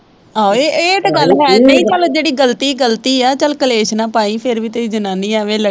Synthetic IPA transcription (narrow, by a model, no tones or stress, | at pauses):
aeːeːʈɡəlːɦɛːd͡ʒiːt͡ʃəld͡ʒeːɽiːɡəlt̪iːɡəlt̪iːɛːt͡ʃəlkəleːʃnãːpaːĩːpʰɪɾʋiːt̪eːiːd͡ʒənaːniːɛːʋẽːlə